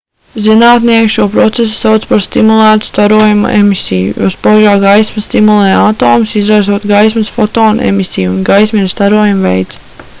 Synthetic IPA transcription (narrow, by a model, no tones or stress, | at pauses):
zinaːt̪niɛkʃuɔpɾɔt̪ses̬u̥sawt̪spaɾst̪imulˠæːt̪u̥st̪aɾuɔjum̰ʔemisʲijṵjṵːspɔʒaːɡajsmɐst̪imulˠeːat̪oːmusizɾajzuɔt̪ɡajs̬mɐsfɔt̪oːnḛmisijːnɡajsmist̪aɾuɔjumvḛjt̪s